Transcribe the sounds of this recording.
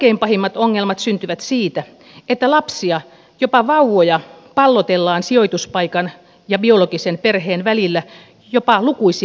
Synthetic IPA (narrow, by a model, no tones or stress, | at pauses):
eimpɑhimːɑt̪oŋːelmɑt̪synt̪yʋæt̪siːt̪æ | et̪ːælɑpsiɑ | jopɑʋɑuʋojɑ | pɑlːot̪elːɑːnsioit̪uspɑikɑn | jɑbioloɡisenperɦeːnʋælilːæ | jopɑlukuisi